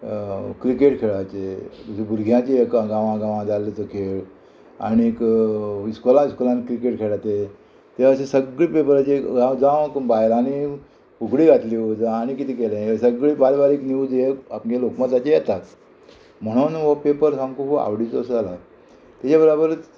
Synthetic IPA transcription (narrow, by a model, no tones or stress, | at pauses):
kɾikeʈkʰeɭat͡ɕet̪usebʱuɾɡʱjãt͡ɕeekaɡãʋãɡãʋãd͡zalːet̪okʰe | a̰nikiskolãiskolãnkɾikeʈkʰeɭat̪e | t̪eəsẽsəɡɭipepəɾat͡ɕeɡãd͡zãʋkbajlani | kuɡɽiːɡʱat̪liod͡zaːñikit̪iːkelãsəɡɭibalbaɾiːkniud͡zjeapɡkelokmat̪at͡ɕejɛt̪at̪ | m̤əɽ̃unʋopepəɾsamkupoa̰ʋɽit͡səsala | t̪at͡ɕabəɾabəɾ